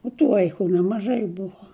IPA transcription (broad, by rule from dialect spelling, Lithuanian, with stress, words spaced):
oː tʊ ˈʋɐɪkʊ nʲɛmɐˈʒɐɪ ˈbʊʋoː